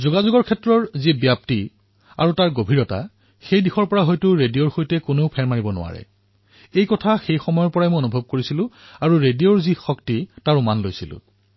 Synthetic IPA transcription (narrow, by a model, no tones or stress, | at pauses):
zoɡazʊɡɔɹkʰɛtɹɔɹzibjap̚ti | a̰ɹutaɹɡobʱiɹɔta̰ | xejdixɔɹpɔɹaɦɔjtʊɹedioɹxojtɛkonopʰɛɹmaɹibɔnʊ̰a̰ɹɛ̰ | ejkɔtʰaxejxɔmɔjɔɹpɔɹajmojonubʱɔb̚koɹisilʊ̃aɹuɹedijoɹzixɔktitaɹumanlojsilʊ̰̃